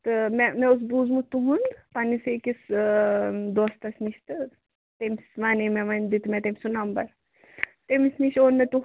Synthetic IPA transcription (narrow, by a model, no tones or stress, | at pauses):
t̪ɨmɛmɛ̃ʊs̬buːzmut̪uɦũnd̪panisekis | d̪oːst̪ɐsniʃt̪ɨ | t̪emsʋaːnimɛ̃ʋɐnd̪it̪mɛ̃t̪emsunɐmbɐ̰ɾ | t̪emisniʃoːnmet̪u